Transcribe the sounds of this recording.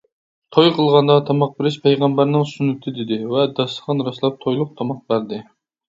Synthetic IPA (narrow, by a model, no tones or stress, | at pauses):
t̪ʰojqʰəlˠʁɑnd̪ɑt̪ʰɑmɑq̚bɪɾɪʃpʰɛjʁɑmbæɾnɪŋsunyt̪ʰɨd̪ɪd̪ɪvɛd̪ɑsəqɑnɾɑslˠɑp̚t̪ʰojlˠʊq̚t̪ʰɑmɑq̚bæɾd̪ɪ